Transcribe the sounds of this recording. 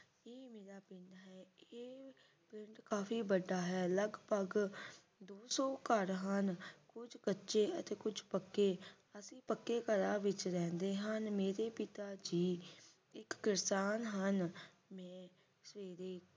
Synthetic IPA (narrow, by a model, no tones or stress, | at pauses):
eːmeːɾaːpɪ̃ɳɖɦɛːeː | pɾɪ̃ɳʈkaːfʰiːbəɖaːɦɛːləɡpəɡ | d̪oːsɔ̃ːkəɾɦənkʊd͡ʒkətːʃeːət̪eːkʊd͡ʒpəkːeː | əsĩːpəkːeːkəɾaːʋɪt͡ʃɾɛ̃ːnd̪eːɦənmeːɾeːpɪt̪aːd͡ʒiː | ɪkːɪɾsaːnɦən | mɛ̃ː | sʋeːɾeː